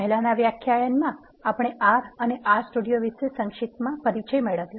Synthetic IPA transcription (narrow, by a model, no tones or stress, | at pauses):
əɦilanaʋjakʰjajənmã | apɽ̃eʔaɾəneʔasʈuɖijoʋiʃesəŋkʃit̪mãpəɾit͡ʃəjmeɭəʋjõ